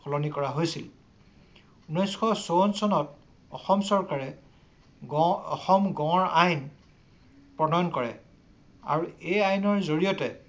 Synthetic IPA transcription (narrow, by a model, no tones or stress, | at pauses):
pʰɔlonikɔɹaɦojsil | unɔjskʰɔsonsɔnɔt | ɔ̰xɔmsɔɹkaɹɛ | ɔ̰xɔmɡɔ̃ɔɹajn | pɹɔnɔjɔnkɔɹɛ̰ | a̰ɹuejajnɔɹzoɹijɔtɛ